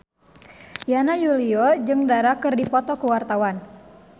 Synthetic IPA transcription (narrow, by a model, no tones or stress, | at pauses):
janajuliɔd͡ʒɨŋdaɾakɨrdipɔt̪ɔkuwart̪awan